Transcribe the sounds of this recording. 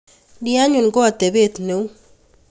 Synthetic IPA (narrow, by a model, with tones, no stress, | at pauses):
dia˦ɲu˨nɡo˦a˨t̪e˨βe˦t̪ne˨u˦